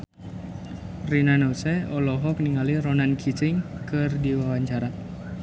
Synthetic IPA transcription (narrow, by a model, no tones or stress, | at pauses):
rinanosɛɔlɔɦɔk̚niŋalironankʰit͡ʃɪŋkɨrdiwawaɲt͡ʃaɾa